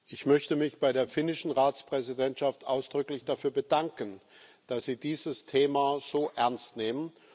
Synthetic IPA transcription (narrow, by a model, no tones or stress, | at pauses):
ʔɪçmœçtəmɪçb̥aɪdeːɐfɪnɪʃn̩ʁaːt͡spʁ̥ɛzidɛntʃaftʔaʊsd̥ʁʏklɪçd̥afyːɐbədaŋkən | d̥asz̥iːdiːzəstʰeːmaz̥oːʔɛɐnstneːmən